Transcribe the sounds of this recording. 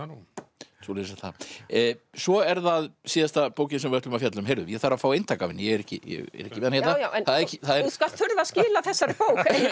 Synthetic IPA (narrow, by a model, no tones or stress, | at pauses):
soliɾsaθa̰ | svɔɛɾðaðsiːðast̪apoːwcɪnsɛmvɛht̪lʏmafjat̪lʏmɦejɾðʏjɛθaːɾafaːwejnt̪ʰaːkavɪnːɪjɛɛɾɛhcɪ̰jɛ̰ɣɛ̰ɾɛhcɪmɪðanhjt̪awnθaðɾɛcɪθaðɛɾuskal̥t̪ʰʏɾvascɪːlaθɛsːaɾɪpoːwx